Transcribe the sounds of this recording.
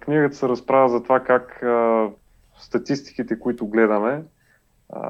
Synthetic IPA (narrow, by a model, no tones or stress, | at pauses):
kniɡət̪ə̥sɛɾɐspɾavəzɐt̪ovakak | st̪ɐt̪ist̪i̥kit̪ɛkʊit̪ʊɡlɛd̪ɐmɛ